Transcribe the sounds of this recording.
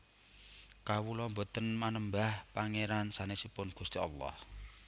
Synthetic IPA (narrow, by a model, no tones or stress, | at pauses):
kawulɔmbo̤t̪ənmanəmbahpaŋeɾansanesipʊnɡ̥ust̪iɑ̰lːɔ̰h